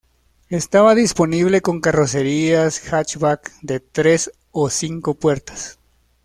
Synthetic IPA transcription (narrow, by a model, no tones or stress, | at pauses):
e̞st̪aβaðispo̞niβ̞le̞ko̞ŋkaro̞se̞ɾiasxat͡ʃβakd̪e̞t̪ɾe̞s | osiŋko̞pwe̞ɾt̪ḁs